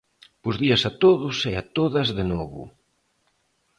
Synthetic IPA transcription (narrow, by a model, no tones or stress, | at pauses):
pʊzðiɐsɐt̪oðʊseat̪oðɐzðenɔβʊ̰